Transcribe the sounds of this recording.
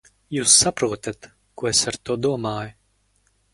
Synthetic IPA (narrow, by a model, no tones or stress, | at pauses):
juːsːapɾuɔt̪at̪ | kuɔesaɾt̪uɔd̪uɔmaːjʊ